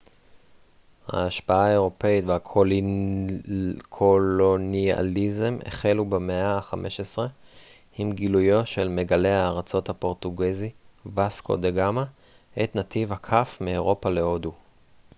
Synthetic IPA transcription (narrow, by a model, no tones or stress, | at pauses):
ha̰ːʃpaaeʁo̞peit̪veako | kʰolonia̰lizemḛχelubemeaχamʔe̞ʃesʁe̞ | imɡilujo̞ʃe̞lme̞ɡale̞aːʁat͡so̞t̪hapo̞ʁt̪uɡezivasko̞̰d̪eɡama | ʔet̪nat̪ivhakʰafmeeʁo̞pale̞o̞du